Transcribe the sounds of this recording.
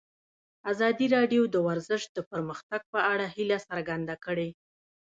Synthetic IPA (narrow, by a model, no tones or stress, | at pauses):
azɑd̪iɾɑɖjowd̪əwaɾzəʃd̪əpəɾməxt̪aɡ̚pəaɽahilasaɾɡand̪akəɽe